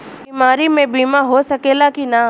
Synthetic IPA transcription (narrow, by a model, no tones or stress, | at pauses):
iːmaːɾimẽbiːmaɦosɐkeːlakina